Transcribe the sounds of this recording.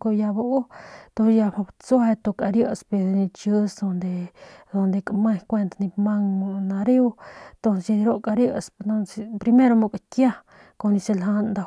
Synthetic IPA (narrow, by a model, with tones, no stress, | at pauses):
ko˧ja˧bau˦t̪o˧ja˧pa˧bt͡su˦a˧t̪o˧kʼa˧ɾjə˦ʔspe˧d̪eni˧t͡ʃə˦sd̪o˧nd̪e˧d̪o˧nd̪e˧kʼama˦jkʷe˧nt̪ani˧pma˦ŋmo˧na˧ɾi˦w̪t̪o˧nsa˧d̪i˧ɾo˦ʔkʼa˧ɾjə˦so˧nsepɾi˧me˦ɾo˧mu˧kʼakja˦ | ko˧ni˧se˧lɦa˧nd̪a˧